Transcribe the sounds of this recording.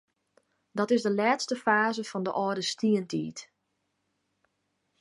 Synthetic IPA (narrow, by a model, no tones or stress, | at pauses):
dɔtɪzdəlɛːtstəfaːzəfɔndəʔɔːdəstiəntʰḭːt